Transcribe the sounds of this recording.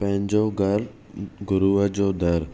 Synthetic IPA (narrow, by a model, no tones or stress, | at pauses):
pə̃ɦɪ̃ɲd͡ʑoːɡəɾ | ɡʊɾuʋəd͡ʑoːd̪əɾ